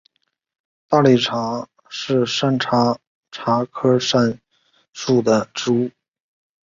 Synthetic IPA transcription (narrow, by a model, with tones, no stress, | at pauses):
t̪a˥˩li˥˩ʈ͡ʂʰa˧˥ | ʂɻ̩˥˧ʂa˥˩nʈ͡ʂʰa˧˥ | ʈ͡ʂʰa˧˥kʰɤ˥ʂa˥˧n | ʂu˥˩d̪ə˩ʈ͡ʂu˥u˥˩